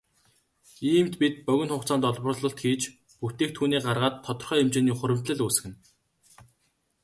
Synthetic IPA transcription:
iːmt̪pit̪̚pœɣʲɪ̆nχʊːχt͡sʰaːnt̪ɔɮpɞ̆r̆ɮɞ̆ɬt̪xiːt͡ɕ | puxt̪eːk̚t̪ʰːuːniːɢarʁaːt̪ʰːɔt̪ɞ̆rχœːemt͡ɕeːniːχʊɾʲɘ̆m̥t̪ɮɘ̆ɮuːsɘ̥̆xɘ̆n

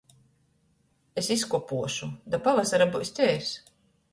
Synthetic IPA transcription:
esiskupuɔʃud̪apavasaɾabust̪ʲɛːs

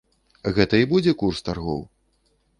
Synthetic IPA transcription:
ɣɛt̪ɐibud͡zʲɛkurst̪arɣɔ̰w

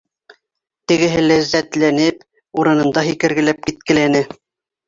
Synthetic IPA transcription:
t̪ɘ̆ɡɘ̆ɦɘlæzːæt̪lænɘp | uɾɤ̆nɤ̆nd̪ɑɦikɘ̆ɾɡɘ̆læp̚kit̪̚kɘ̆lænɘ

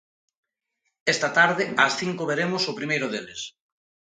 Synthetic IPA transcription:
ɛst̪ɐt̪aɾðɪɐsθiŋkʊβeɾemʊsopɾimejɾʊðelɪs

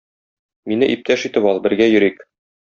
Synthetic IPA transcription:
minɘʔip̚t̪æʃit̪ɘpɒlˠbɘ̆ɾɡæjɵ̆ɾik

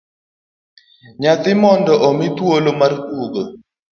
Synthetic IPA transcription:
ɲat̪ɪmɔndɔʔɔmit̪wolomarkuɡo

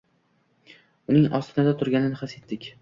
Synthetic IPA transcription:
ʊnɪŋɒst̪ʰɪnad̪at̪ʰʊɾɡʲanɪnɪχase̞t̪ːɪkʲ

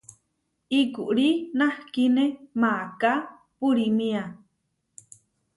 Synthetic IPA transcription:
ikuʔɽinahkinemaka | puɾimĩa

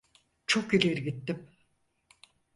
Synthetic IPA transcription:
t͡ʃʰokilʲeɾɡit̪ːim

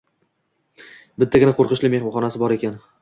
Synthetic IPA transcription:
bɪt̪ʰːaɡʲɪnaqʰoɾqɨʃlɪmeχmɒχɒnasɪbɒɾekʲan

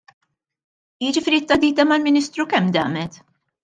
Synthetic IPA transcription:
jɪd͡ʒɪfɪːɾit̪ːɐd̪iːt̪ɐmɐlmɪniːst̪ɾukɛmːd̪ɐ̰ːmɛt̪

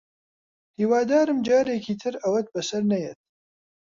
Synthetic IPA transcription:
hiːwaːd̪aːɾɨmd͡ʒaːɾeːkʰiːt̪ʰɨɾɐwɐt̪̚bɐsɐɾnɐjɛt̪̚

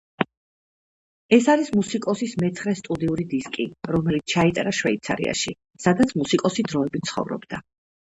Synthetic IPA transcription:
ɛsaɾismusikʼɔsismɛt̪sʰχɾɛst̪ʼud̪iuɾid̪iskʼiɾɔmɛlit̪sʰt͡ʃʰait̪ʼɾaʃvɛit̪sʰa̰ɾḭa̰ʃi | sad̪at̪sʰmusikʼɔsid̪ɾɔɛbit̪sʰχɔ̰vɾɔ̰bd̪̥a

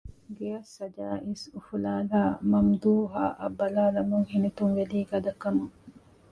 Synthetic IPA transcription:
ɡejɐsːɐd͡ʒaːʔisufulaːlaːmɐmd̪uːɦa̰ʔɐbːɐlaːlɐmuŋhinit̪uŋʋeliːɡɐd̪ɐkːɐmuŋ

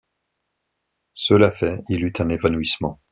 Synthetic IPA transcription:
səlafɛilyt̪ʰɛ̃nevanuismɑ̃

